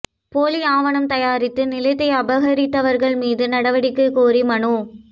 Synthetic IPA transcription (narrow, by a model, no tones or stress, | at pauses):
poːliaːʋɐɳɐmt̪ɐjaːɾɪt̪ːɯnɪlɐɪt̪ːɐɪɐbɐɣɐɾɪt̪ːɐʋɐɾɣɐɭmiːðɯnɐɽɐʋɐɽɪkːɯkːoːɾimɐɳu